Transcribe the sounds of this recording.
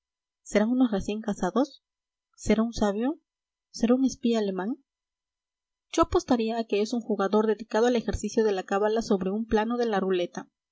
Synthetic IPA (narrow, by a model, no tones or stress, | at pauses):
se̞ɾaŋuno̞sre̞sje̞ŋkasaðo̞sː | e̞ɾaunsaβjo̞ | se̞ɾauŋe̞spiaːle̞maŋ | d͡ʒo̞apo̞st̪aɾiaːke̞esuŋxuɣaðo̞ɾðe̞ðikað̞o̞ale̞xe̞ɾsisjo̞ðe̞lakaβalaso̞βɾe̞umplano̞ðe̞larule̞t̪a